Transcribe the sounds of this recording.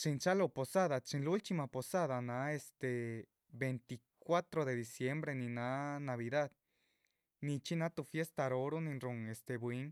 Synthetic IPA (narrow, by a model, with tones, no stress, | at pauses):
t͡ʃi˧nt͡ʃa˦lo˧po˨sa˦ða˨t͡ʃi˧nlu˦lt͡ʃ̪i˧ma˧po˨sa˦ða˨na˧˦e˧st̪e˨ | be˨nt̪i˨ | kwʷa˦t̪ɾo˧d̪e˨d̪i˨sje˧mbɾe˧ni˧na˦na˨βi˧d̪a˦d̪ | ni˧t͡ʃi˦na˦t̪u˧fje˦st̪a˧ɾo˧ɾo˦ni˧nɾu˧ŋe˨st̪e˨bwi˧˦ŋ